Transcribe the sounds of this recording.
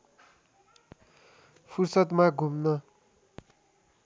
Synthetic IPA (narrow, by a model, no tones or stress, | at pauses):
pʰursʌt̪maɡʱumnʌ